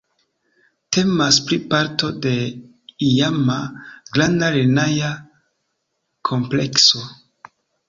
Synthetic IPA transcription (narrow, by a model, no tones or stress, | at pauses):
te̞maspɾipaɾto̞de̞ | ijamaɡlandaɾenaja | kʰo̞mple̞kso̞